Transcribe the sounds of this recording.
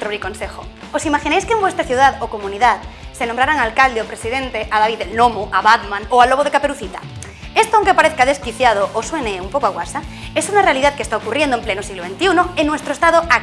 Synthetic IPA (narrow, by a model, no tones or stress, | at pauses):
t̪ɾoβɾikonsexo | osimaxinejskembwest̪ɾaθjuð̞aðokomũniðaðsenõmbɾaɾaŋalkald̪eopɾesiðẽnt̪eʔaðaβiðelnomoʔaβat̪mãŋoaloβ̞oð̞ekapeɾuθit̪a̰ | est̪oawŋkepaɾeθkaðeskiθjað̞oʔosueneeumpokoaɣwasaesunare̞aliðaðkest̪aokurjend̪oemplenosiɣloβent̪iunoenːwest̪ɾoest̪aðoa